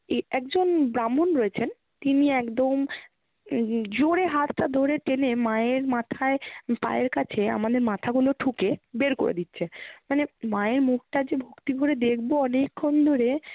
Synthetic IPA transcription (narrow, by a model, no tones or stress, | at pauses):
ɛkd͡ʑonbɾamːonɾɔet͡ɕʰen | t̪iniɛkd̪om | d͡ʑoɽeɦat̪ʈad̪ʱoɾeʈenemaeɾmat̪ʰaepa̰eɾkat͡ɕʰea̰mad̪eɾmat̪ʰaɡuloʈʰukebeɾko̰ɾḛd̪itːɕʰemanemaeɾmuk̚ʈad͡ʑebʱokt̪ibʱoɾed̪ekʰboɔnekʰːond̪ʱoɾe